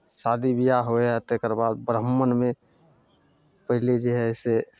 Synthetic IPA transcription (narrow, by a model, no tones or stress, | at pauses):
saːd̪ʱibijaɦoeət̪ekəɾbaːd̪̚bɾəmːənmẽ | pəɦɪled͡ʒeɦɛɪse